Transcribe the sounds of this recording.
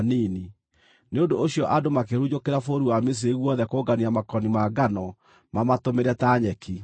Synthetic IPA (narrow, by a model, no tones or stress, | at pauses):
nini | neondoːɕiɔʔadomakeɾud͡ʑokeɾafoɾuwames̬eɣwɔðɛkoːɡaniamakɔnimaɡanɔ | mamatomeɾɛtaɲɛki